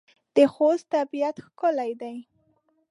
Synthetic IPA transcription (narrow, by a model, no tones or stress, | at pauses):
d̪̥əxostt̪abijat̪xkʊlajd̪aj